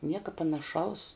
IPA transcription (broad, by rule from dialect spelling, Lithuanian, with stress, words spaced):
ˈnʲiɛkɐ pɐnɐˈʃɐʊs